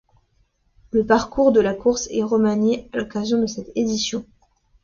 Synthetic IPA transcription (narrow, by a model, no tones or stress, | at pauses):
ləpaʁkuʁd̪əlakuʁsɛʁəmanealɔkazjɔ̃d̪əsɛt̪ed̪isjɔ̃